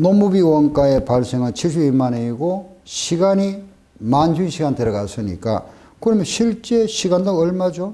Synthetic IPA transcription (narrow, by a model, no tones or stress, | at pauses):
nomːubiwʌnk͈aepaɭs͈eŋɯnt͡ɕʰis̬ʰuimaneiɡoɕʰiɡaɲi | mand͡ʑunɕʰiɡanteɾʌɡas͈ɯɲḭk͈a̰ | kɯʌnmjʌnɕʰiɭt͡ɕ͈e̞ɕʰiɡandoŋʌɭmad͡ʑo